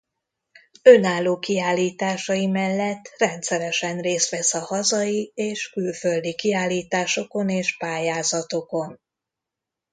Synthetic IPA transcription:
ø̞naːlːoːkiaːlːiːt̪aːʃɒjimɛlːɛt̪ːrɛnt̪sɛɾɛʃɛnreːst̪ʋɛsɒhɒzɒjieːʃkylfø̞ld̪ikiaːlːiːt̪aːʃo̞ko̞neːʃpaːjaːzɒt̪o̞ko̞n

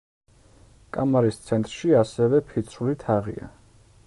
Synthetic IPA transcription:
kʼamaɾist̪sʰɛnt̪ʼɾʃiasɛvɛpʰit̪sʰulit̪ʰaʁḭa̰

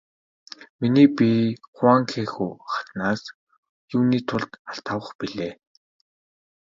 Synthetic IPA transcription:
miniːpiχʊaŋxʰeːxuːχḁt̪naːs | juːniːt̪ʰʊɮt̪aɬt̪ʰawə̆χpiɮeː

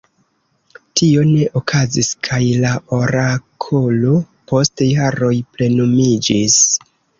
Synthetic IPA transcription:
tio̞ne̞ʔokʰaziskʰajlaʔo̞ɾakʰolo | po̞stejaɾo̞jple̞numid͡ʒis

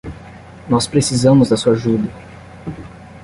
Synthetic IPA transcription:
nɔspɾesizɐ̃mʊzd̪ɐsuaʒud̪ɐ

